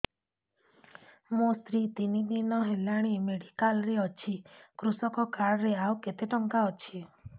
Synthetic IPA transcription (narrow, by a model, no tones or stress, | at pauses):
most̪ɾit̪inid̪inɔɦelaɽ̃imeɽikalɾeɔt͡ʃʰikɾusɔkɔkaɾɾeawket̪eʈɔŋkaɔt͡ʃʰi